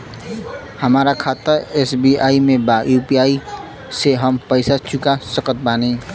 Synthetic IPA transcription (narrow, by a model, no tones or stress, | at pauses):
həmaɾakʰat̪əɾesbiaimebajupiai | seɦəmpəɪsat͡ʃukasəkət̪̚bani